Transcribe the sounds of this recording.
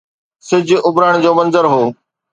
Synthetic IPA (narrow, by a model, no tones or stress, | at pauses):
sɪd͡ʑʱʊʊbɾaːɽ̃d͡ʑoːmɐ̃nzəɾɦoː